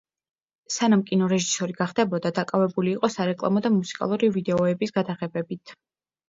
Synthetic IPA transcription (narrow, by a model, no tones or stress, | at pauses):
sanamkʼinɔɾɛʒisɔɾiɡaχd̪ɛbɔd̪ad̪akʼavɛbuliːqʼɔsaɾɛkʼlˠa̰mɔd̪amusi̥kʼa̰lˠuɾivid̪ɛɔɛbisɡ̥ad̪aʁɛbɛbit̪ʰ